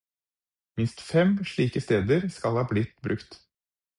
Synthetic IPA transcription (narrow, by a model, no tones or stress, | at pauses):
mɪnst̪fɛmʂɭiːkəst̪eːd̪əɾskɑlhɑːblɪt̪ːbɾʉkt̪